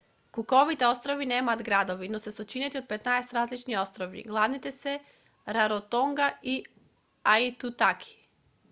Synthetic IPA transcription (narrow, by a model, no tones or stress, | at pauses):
kukoʋit̪ɛost̪ɾoʋineːmaːd̪ɡɾad̪oʋinosesot͡ʃinɛt̪iod̪̚pet̪naest̪ɾaːzlit͡ʃniost̪ɾoʋḭɡlˠavnit̪ɛsɛ | ɾaɾot̪oŋɡai | ait̪ut̪akʰi̥